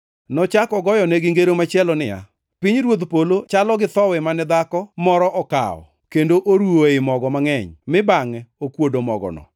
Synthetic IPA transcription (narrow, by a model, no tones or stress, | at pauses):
nɔt͡ʃakɔɡɔjɔnɛɡɪŋɡeɾomat͡ʃɛlɔnɪja̰ | piɲɾwod̪polot͡ʃalɔɡɪt̪ɔwɛmanɛd̪akɔmɔɾɔʔɔka̰ɔ̰ | kendoʔoɾuoɪmɔɡɔmaŋɛɲmɪbaŋɛokwodomɔɡɔ̰nɔ̰